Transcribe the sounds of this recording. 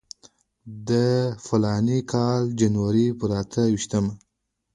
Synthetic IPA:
d̪əfalɑnikʰɑld͡ʒanwaɾipəɾat̪ʰəwiʃt̪əma

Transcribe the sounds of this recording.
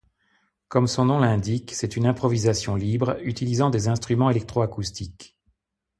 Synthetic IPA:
kɔmsɔ̃nɔ̃lɛ̃d̪iksɛt̪ynɛ̃pχɔvizasjɔ̃libʁyt̪ilizɑ̃d̪ezɛ̃st̪χymɑ̃elɛk̚t̪χoakust̪ik

